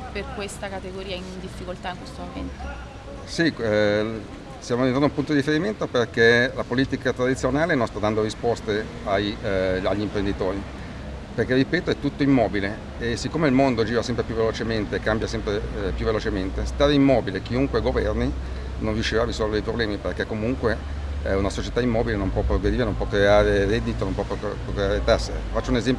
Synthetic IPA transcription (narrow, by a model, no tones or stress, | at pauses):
perkwest̪akat̪eɡoɾiːaind̪ifːikolt̪aiŋkwest̪omoment̪o̥ | si | sjaːmoalinoɾnũmpunt̪od̪iifeɾiment̪operkelapoliːt̪ikat̪ɾad̪it̪sːjonaːlenonst̪ad̪ːand̪oɾispɔst̪e | aja̰ʎːimpɾend̪it̪oːɾi | perk̟erːipɛːt̪oɛt̪ːut̪ːoimːɔːbile | esikːoːmeilmond̪od͡ʒiːvasɛmpɾepjuvelot͡ʃement̪eːkːambjasɛmpɾepjuvːelot͡ʃement̪est̪aːɾeimːɔːbilek̟iuŋkweɡovɛrni | nõnrːiuʃːivarːizɔlveɾdejpɾoblɛːmiperk̟ekːomuŋkwe | unasot͡ʃet̪aimːɔːbilenompwɔpːɾoɡɾed̪iːɾenõmpwɔkːɾeaːɾeɾɛd̪ːit̪onompwɔpokːɾeaːɾet̪asːḛfat͡ʃːounezɛmpo